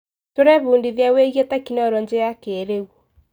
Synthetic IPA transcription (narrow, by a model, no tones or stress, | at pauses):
toɾɛβuːndiðjaweɣetɛkinɔɾɔɲd͡ʒejakeɾeɣwo